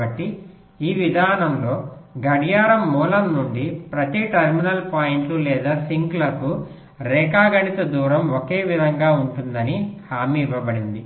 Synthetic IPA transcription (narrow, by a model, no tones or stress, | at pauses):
ɐʈːi | iːʋid̪ʱaːnɐmlo̞ːɡɐɽijaːɾɐmːuːlɐmnuɳɖipɾɐt̪iʈɐɾminɐlpaːjiɳʈlulɛːd̪aːsiŋklɐku | ɾɛːkaːɡɐɳit̪ɐd̪uːɾɐmoke̞ːʋid̪ʱɐŋɡaːuɳʈund̪ɐnihaːmiːʋɐbɐɽind̪i